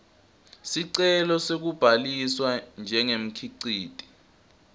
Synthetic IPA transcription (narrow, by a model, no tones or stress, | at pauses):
siǀɛlɔsek̬ub̥ʱaliswand͡ʒʱɛŋem̩kʰiǀiːd̥ʱʼi̥